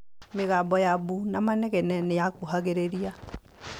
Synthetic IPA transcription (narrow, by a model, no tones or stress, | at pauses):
meɣabɔjaβunamanɛɣɛnɛnejakoɦaɣeɾeɾia